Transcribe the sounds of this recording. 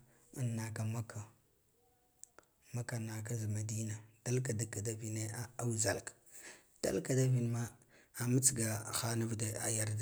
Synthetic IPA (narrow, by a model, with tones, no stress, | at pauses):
a˨˦nːa˨ka˨ma˦kʰa˨ | ma˦ka˨na˨ka˦zma˨di˦na˨d̥a˦lka˨da˦ka˨da˦vi˦ne˦a˦a˦wza˨lk | d̥a̰˦lka˨da˦vi˦nma˦ | a˨mə˦t͡sɡa˨xa˦na˦vde˨a̰˨ja˨ɾda˨